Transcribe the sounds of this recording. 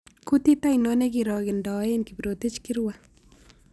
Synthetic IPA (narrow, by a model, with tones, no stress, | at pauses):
ku˦ti˦ta˦jnɔ˦ne˦kiɾɔ˨ɡɪ˨nda˨˦e˦nki˨pɾo˨ti˦t͡ʃki˦rwa